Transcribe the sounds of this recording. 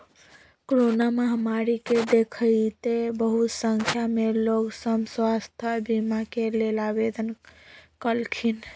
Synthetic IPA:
kɾonaməɦmaɾiked̪ekʰəjt̪ebəɦut̪səŋkʰjameloɡsəmswast̪ʰəbʱimakelelabed̪ənkəlkʰin

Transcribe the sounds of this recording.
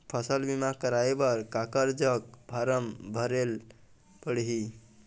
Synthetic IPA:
pʰəsəlbimakəɾaebəɾkakəɾd͡ʒəkbʱaɾəmbʱəɾel | pəɽ̤ɦi

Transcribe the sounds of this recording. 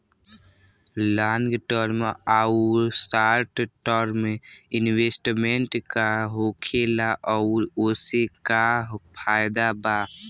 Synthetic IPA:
laːŋɡʈəɾmeauɾsaːɾʈʈəɾmeɪnweːsʈmeɳʈkaɦokʰelaʔɔːɾoːsekapʰaːjd̪aba

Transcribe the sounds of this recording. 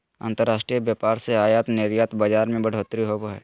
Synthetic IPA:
ã̰ːnt̪əɾːaːʃʈɾijəbjaːpaːɾseaːjaːt̪neːɾijaːt̪bad͡ʒaːɾmẽbɐɽ̤ʱoːt̪ɾiɦobɛ̰ː

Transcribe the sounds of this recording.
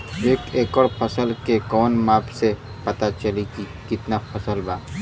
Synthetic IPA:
eːkeːkəɽpʰɐsəlkekɔːnmaːpse | pɐt̪at͡ʃəliki | kɪt̪napʰɐsəlbaː

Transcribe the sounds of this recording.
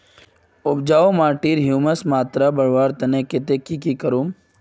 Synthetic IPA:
ʊb̚d͡ʒaːomaːɾʈiːɾɦjuːməsmaːt̪ɾabɐɾʋaːɾt̪ɐnẽkɪt̪ekikikəɾuːm

